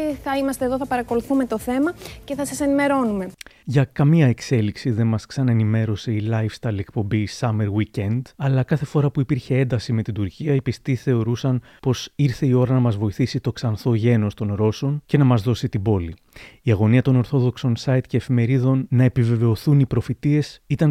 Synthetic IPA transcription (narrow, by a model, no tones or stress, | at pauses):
θɐimɐst̪eðoθɐpɐɾɐko̞luθumet̪o̞θe̞mɐce̞θɐsɐse̞nime̞ɾo̞nume̞ʝɐkɐmiɐe̞kse̞liksiðe̞nmɐsksɐnɐenime̞ɾo̞se̞ilɐjfst̪ɐɾlie̞kpo̞mbisɐme̞ɾwicend̪ɐlɐkɐθe̞fo̞ɾɐpuipiɾçe̞e̞nd̪ɐsime̞t̪id̪uɾciɐipist̪iθe̞o̞ɾusɐn | po̞siɾθe̞io̞ɾɐnɐmɐzvo̞iθisit̪o̞ksɐnθo̞ʝe̞no̞st̪o̞nɾo̞so̞nce̞nɐmɐzðo̞sit̪ibo̞li | iɐɣo̞niɐt̪o̞no̞ɾθo̞ðo̞kso̞nsɐjt̪ce̞ːfime̞ɾiðo̞nːɐe̞pive̞ve̞o̞θunipɾo̞fit̪ie̞sit̪ɐn